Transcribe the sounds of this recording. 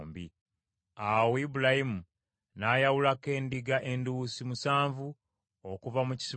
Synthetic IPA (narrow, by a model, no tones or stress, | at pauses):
mbi | awibulahimu | najawulake̞ːndiɡaʔe̞nduusimusaːɱvu | okuvamuci̥si